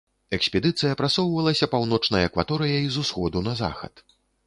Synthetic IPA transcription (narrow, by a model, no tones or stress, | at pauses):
ɛksʲpʲɛd̪ɨt̪sɨjɐpɾatsɔwvɐlˠɐsʲɐpawnɔt͡ʂnɐjɐɛkvat̪ɔɾɨjɐizusxɔd̪unɐza̰xɐ̰t̪